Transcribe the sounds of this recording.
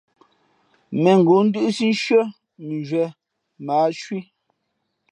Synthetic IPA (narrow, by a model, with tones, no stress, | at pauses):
mɛ˨ŋ̩˨ɡo˨˦n̩˦dɯ˦ʔsi˦n˦ʃɥɔ˦ | mi˨d͡ʒɥwɛ˨ | maː˨˦ʃwi˦